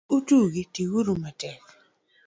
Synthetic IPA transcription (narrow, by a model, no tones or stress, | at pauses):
utuɡitiwuɾumɛtɛk